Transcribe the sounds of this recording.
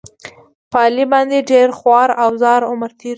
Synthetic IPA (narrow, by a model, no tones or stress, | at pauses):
pɑlibɑnd̪eɖeɾxwɑɾawzɑɾʊməɾt̪ʰiɾ